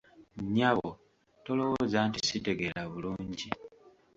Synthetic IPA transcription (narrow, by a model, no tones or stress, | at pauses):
ɲaβo | to̞lo̞wozantisite̞ɡe̞laβuluːɲɟi